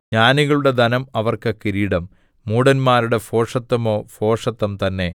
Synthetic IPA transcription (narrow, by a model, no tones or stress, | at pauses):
ɲaːniɣɐɭuɽe̞d̪ɐnɐmɐʋɐrkɐkːiɾiːɽɐmː | uːɽɐnmaːɾuɽe̞fo̞ːʂɐt̪ːɐmo̞ːfo̞ːʂɐt̪ːɐmt̪ɐnːe̞